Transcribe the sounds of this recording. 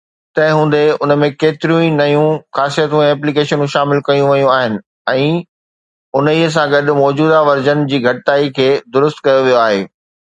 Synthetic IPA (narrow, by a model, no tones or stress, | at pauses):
t̪ɐ̃ɦɪ̃ɦũːn̆d̪eʊnəmẽkeːt̪ɪɾijũinɐjũxaːsijət̪ũɛ̃ɛːplikeːʃənũʃaːmɪlkɐjũʋɐjũaːɦɪnɪ̆ | ɛ̃ː | ʊniəs̬ãɡɐɗʊ̆mɔːd͡ʑuːd̪aʋɐɾd͡ʑənɪ̆d͡ʑiːɡʱɐʈɪt̪aːikʰeːd̪ʊɾʊst̪kɐjoʋijoaːɦeː